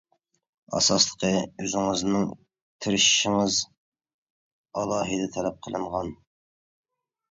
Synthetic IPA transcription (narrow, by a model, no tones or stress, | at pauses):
ɑ̰sɑslˠə̥qʰəøzɪŋɨznɪŋ | t̪ʰɪɾɪʃʃɪŋɨz | ɑlˠɑːɦɨd̪ɛt̪ʰɛlɛp̚qʰəlˠɨɴʁɑn